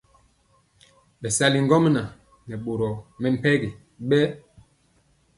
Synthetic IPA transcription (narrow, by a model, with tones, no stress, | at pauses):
ɓɛ˨sa˦li˨ŋ˦ɡɔ˦m˦na˨ | nɛ˨ɓo˨ɾɔ˨mɛ˦˨m̩˨pɛ˦ɡi˨ | ɓɛ˦